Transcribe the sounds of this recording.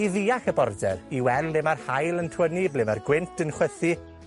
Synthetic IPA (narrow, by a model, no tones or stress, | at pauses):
iðiːaχəbɔrdɛ̰riwɛlˠːɪmarhajlˠəntʰwəniblɪmarɡwɪntʰənχwəθi